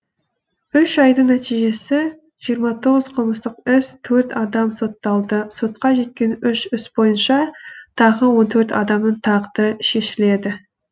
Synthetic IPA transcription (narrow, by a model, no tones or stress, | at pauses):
ʏʃɑjd̪ənæt̪ijʒe̞sɪ | ʒ̥ijəɾmɑt̪ʰo̞ʁəz̥qʰəlˠməst̪əqʏst̪ʰɵɾt̪ɑd̪ɑmso̞t̪ːɑlˠd̪əso̞t̪̚qɑʒe̞t̪̚kʲe̞nʏʃʏsbo̞jənʃɑt̪ʰɑʁəwo̞nt̪ʰɵɾt̪ɑ̰d̪ɑmnəɴt̪ʰɑqd̪əɾəʃe̞ʃɪle̞d̪ɪ